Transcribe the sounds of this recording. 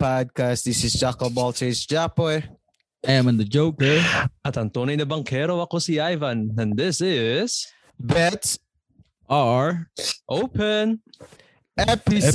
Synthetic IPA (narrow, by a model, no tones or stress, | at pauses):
pʰɔd̚kʰast̚ðɪsɪzt͡ʃakəbɔltʰesd͡ʒapɔɪ | ɛmə̃nðəd͡ʒoʊkə˞at̪ant̪oninəbaŋkʰɛɾoakosiajvanə̃nðɪsɪz̥ | bɛts | əɹʔoʊpən | ɛpi